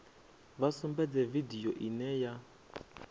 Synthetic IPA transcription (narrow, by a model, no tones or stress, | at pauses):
βasumbɛd͡zɛvidijɔʔinɛja